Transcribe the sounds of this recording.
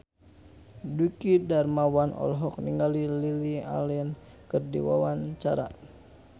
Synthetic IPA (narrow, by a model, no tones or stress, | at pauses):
dukidarmawanʔɔ̰lɦɔk̚niŋɡalililia̰lɛn | kərdḭwa̰waɲt͡ʃaɾa̰